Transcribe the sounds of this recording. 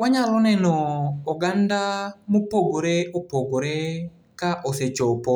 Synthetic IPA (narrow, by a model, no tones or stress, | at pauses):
waɲaɾɔnɛnɔːɡandamopoɡoɾeopoɡoɾe | kaʔoset͡ʃopɔ